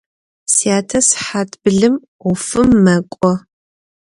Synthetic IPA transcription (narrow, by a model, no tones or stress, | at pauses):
siaːtʰɐsħaːtʰʼbɨɮɨm | ʊfɨmːɐkʷʼɔ